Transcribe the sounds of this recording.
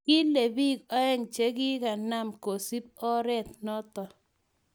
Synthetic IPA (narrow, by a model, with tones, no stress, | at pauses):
kɪ˦le˨bi˦kɔ˦ɛ˦ŋt͡ʃe˦ɡɪ˦ka˨na˦˨mko˨si˦p̚ɔ˦ɾɛ˦t̪̚nɔ˦t̪ɔ˨